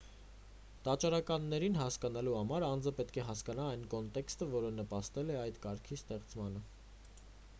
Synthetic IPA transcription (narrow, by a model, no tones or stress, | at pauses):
t̪ɑt͡ʃɑɾɑkɑnːɛɾinɦɑskɑnɑluhɑmɑɾɑnd͡zəpɛt̪kʰɛɦɑskɑnɑɑjnkɔnt̪ɛkst̪əvɔɾənəpɑst̪ɛlɛɑjt̪kɑɾkʰist̪ɛχt͡smɑnə